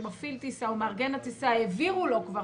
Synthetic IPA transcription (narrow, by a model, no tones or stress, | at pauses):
mafilt̪isaumaʁɡenat̪isaeviʁulo̞kva